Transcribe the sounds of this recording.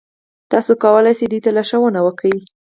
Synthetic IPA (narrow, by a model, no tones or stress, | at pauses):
t̪ɑsokɑwəlajsed̪ujt̪alaʃawənawəkawi